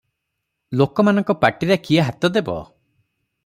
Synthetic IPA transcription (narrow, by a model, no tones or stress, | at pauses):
lokɔmanɔŋkɔpaʈiɾekiaɦat̪ɔd̪ebɔ̰